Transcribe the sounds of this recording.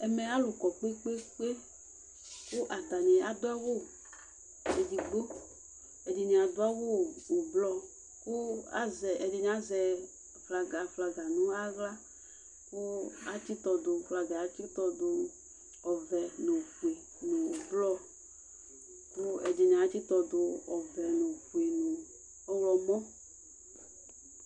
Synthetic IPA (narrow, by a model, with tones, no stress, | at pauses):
ɛ˨mɛ˨a˦lʊ˨kɔ˨k͡pe˦k͡pe˦k͡pe˦ | kʊ˦ʔa˨t̪a˨ni˨a˨d̪ʊ˦a˦ɣo˦˨ | e˨di˨ɡ͡bo˦ | e˨di˨ɲĩ˨a˨d̪ʊ˦a˦ɣoː˦˨blɔ˦ | kʊ˦a˦zɛ˨ɛ˨di˨ɲ̃˨˦a˦zɛ˨ | fla˨ɡa˨fla˨ɡa˨nũ˦a˦ɣla˦ | kʊ˦a˦t͡ʃi˦t̪ɔ˧d̪ʊ˨˧fla˨ɡa˨˦t͡ʃi˦t̪ɔ˧d̪ʊ˧ | ɔ˨vɛ˨nʊ̃˨ɸu˨e˨ | nʊ̃˨o˨blɔ˦˧ | kʊ˦ɛ˨di˨ɲ˨˦t͡ʃi˦t̪ɔ˨d̪ʊ˧ɔ˨vɛ˨nʊ̃˨ɸu˨e˨nʊ˨ | ɔ˨wlɔ˨mɔ̃˦